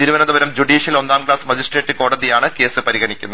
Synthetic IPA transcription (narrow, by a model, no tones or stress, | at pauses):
t̪iɾuʋɐnɐd̪ɐbɐɾɐmd͡ʑuɖiːɕijɐlond̪aːmɡɭaːsmɐd͡ʑisʈreːʈːɨko̞ːɽɐðijaːɳɨke̞ːsɨpɐɾiɣɐɳikʲːunːɐ